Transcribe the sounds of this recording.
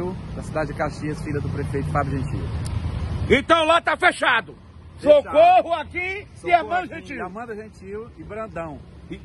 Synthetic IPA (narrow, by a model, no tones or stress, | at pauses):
wd̪ɐsid̪add͡ʒɪd͡ʒɪkaʃiɐsfilɐd̪ʊpɾefejt̪ʊpabɾʊʒẽt͡ʃḭ | ẽt̪ɐ̃w̃lat̪afeʃad̪ʊ | sokoɦʊaki | ɪamɐ̃d̪ɐʒẽt͡ʃimɐ̃d̪ɐʒẽt͡ʃiwɪbɾɐ̃d̪ɐ̃w̃